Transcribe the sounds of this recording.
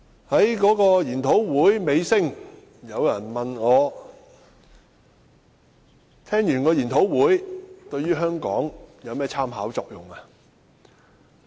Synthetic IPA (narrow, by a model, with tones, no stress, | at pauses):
hɐ˨˥jkɔː˨˥kɔː˧jiː˨˩nt̪ʰo˨˥wwuː˨˥jme˨˧jsɪ˥ŋ | jɐ˨˧wjɐ˨˩nmɐ˨nŋɔː˨˧ | t̪ʰɛː˥ŋjyː˨˩nkɔː˧jiː˨˩nt̪ʰo˨˥wwuː˨˥jt̪ɵ˧ɥyː˥ɦœː˥ŋkɔ̰ː˨˥ŋjɐ˨˧wmɛː˥t͡sʰaː˥mɦaː˨˥wt͡ʃɔː˧k̚jʊ̰˨˩ŋa˧